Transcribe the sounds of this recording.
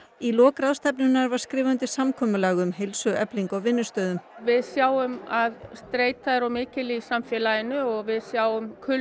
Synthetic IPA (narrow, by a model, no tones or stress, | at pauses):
ilɔːkɾaðst̪ɛpnʏnːaɾvaɾ̥skɾɪːvant̪ɪsamkʰɔːmʏlaːɣʏmɦelsʏɛpliŋkɔɣvɪnːʏst̪œːðʏmvɪðsjaːwʏmaðst̪ɾeːjt̪aðɾawmɪːcɪlisamfjɛːlajɪnʏɔɣvɪðsjaːwʏmkʰʏ